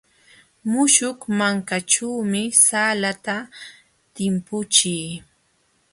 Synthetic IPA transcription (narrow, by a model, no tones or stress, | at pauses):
mʊʃʊkmaŋkaʈ͡ʂaːmɪsaːlat̪a | t̪ɪmpʊt͡ʃij